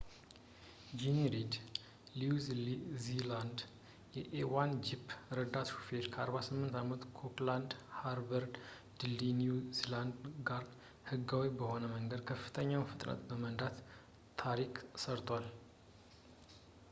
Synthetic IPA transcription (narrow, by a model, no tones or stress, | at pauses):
d͡ʒiniɾid̪ | lizlziland̪ | jɛʔewand͡ʒipːɾəd̪at̪ʃu̥feɾkʰəaɾβasɨmːɨnt̪amət̪kʰokland̪haɾbəɾd | d̪ɨlinuziland̪ɡaɾ | hɨɡːawibəho̞nəməŋɡəd̪kʰəfːɨ̥t̪ʰəɲːawnfɨt̪ʼnə̰t̪ʼbəmənd̪at̪ʰː | aɾiksəɾt̪ʰwal